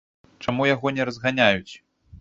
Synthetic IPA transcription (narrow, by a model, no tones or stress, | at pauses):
t͡ʂamujaɣɔnʲɛɾɐzɣanʲajut͡sʲ